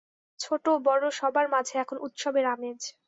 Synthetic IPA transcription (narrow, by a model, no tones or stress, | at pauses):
t͡ɕʰoʈobɔɾoʃɔbaɾmad͡ʑʱeɛkʰonut̪ʃobeɾamet͡ɕʰ